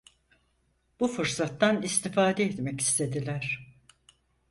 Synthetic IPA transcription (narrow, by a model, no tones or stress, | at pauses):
b̥ufɯɾsat̪ːanist̪ʰifaːd̪eet̪mɛci̥st̪ʰe̞d̪ilʲæɾ̥